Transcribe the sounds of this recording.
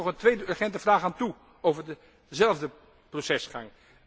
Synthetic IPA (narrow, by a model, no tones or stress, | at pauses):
ɔχəntʋejdəøɹχɛntəvraːχaːntu | owvəɹdə | zɛlˠvdə | prosɛsχa̰ŋ